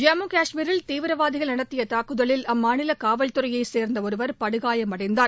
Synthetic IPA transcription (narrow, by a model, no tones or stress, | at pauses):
d͡ʒaːmuːkaːʂmiːɾɪlt̪iːʋɪɾɐʋaːðɪɣɐɭnɐɽɐt̪ːɪjɐt̪aːkːɯðɐɭɪlɐmːaːnɪlɐkaːʋɐɭt̪ɯrɐjɐɪseːɾnd̪ɐɔɾɯʋɐɾpɐɽɯɣaːjɐmɐɽɐɪnd̪aːɾ